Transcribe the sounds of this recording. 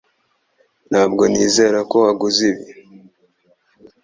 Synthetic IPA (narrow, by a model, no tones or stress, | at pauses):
naːbɡo̞niːze̞ɾako̞haɡuziβi